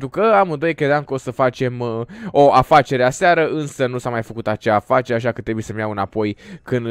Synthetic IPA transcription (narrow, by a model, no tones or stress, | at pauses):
t̪ukəamɨnd̪o̞jekɾe̞d̪ɪamkəo̞səfat͡ʃe̞mo̞ʔafat͡ʃe̞ɾeaseaɾəʔɨnsənusamajfəkut̪at͡ʃaːfat͡ʃe̞ɾeaʃ̬akət̪ɾe̞buje̞səmjawɨnapo̞jkɨnd̪